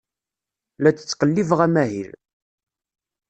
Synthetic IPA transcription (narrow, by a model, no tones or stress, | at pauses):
læt͡sːə̥t͡sːqəlːivʁæmæɦḭl